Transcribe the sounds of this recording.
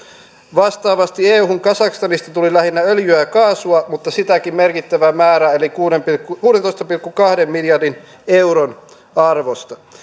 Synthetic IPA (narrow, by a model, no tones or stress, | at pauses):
ʋɑst̪ɑːʋɑst̪ieːuhuŋkɑsɑkst̪ɑnist̪ɑt̪ulilæhinːæøljyækɑːsuɑmut̪ːɑsit̪ækimmerkit̪ːæʋæmæːɾæelikuːnempikːukuːdent̪ost̪ɑpilkːukɑhdemmiljɑrdin | euɾon | ɑrʋost̪ɑ